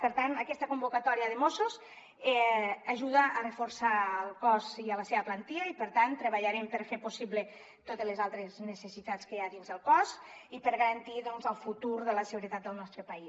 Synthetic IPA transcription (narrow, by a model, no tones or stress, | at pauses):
pəɾt̪anəkɛst̪əkumbukət̪ɔɾiəðəmosus | ɛːʒuðaʔːrəfoɾsaəlˠkɔziələseβəplant̪iʎəipəɾt̪ant̪ːɾəβəʎaɾɛmpəɾfeɾpusiβlə | t̪ot̪əzləzalˠt̪ɾeznəsəsit̪at͡skəjaðinzðəlˠkɔzipəɾɣəɾənt̪iðɔnzəlˠfut̪uɾðələsəɣuɾət̪at̪̚d̪əlˠnɔst̪ɾəpai